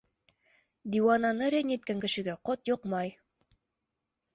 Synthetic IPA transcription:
d̪iwanɑnɤɾʲenʲet̪̚kæŋkɘ̆ʃɘ̆ɡæqɒt̪joqmɑj

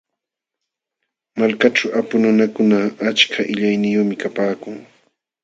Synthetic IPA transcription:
malkaʈ͡ʂawʔapʊnʊnakʊnaːt͡ʃkʰaʔɪʎajnɪjomɪkapaːkʊŋ

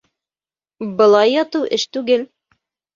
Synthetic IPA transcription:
bɤ̆lˠɑjːɑt̪ɤwʔɘʃt̪ʉɡɘl

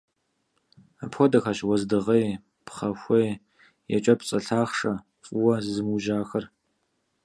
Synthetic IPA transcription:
apxʷɔdɐxaɕwɔzdɨʁɐj | pχɐxʷɐj | jɛ̰t͡ʃʼɐpt͡sʼɐɬʰaːχʂɐ | fʼʊwɐzzɨmuʒaːxɐr

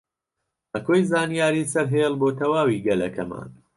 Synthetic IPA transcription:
ʔɐkoːjzaːnijaːɾiːsɐɾɦeːlˠboːt̪ɐwaːwiːɡɐlɐ̰kʰɐma̰ːn

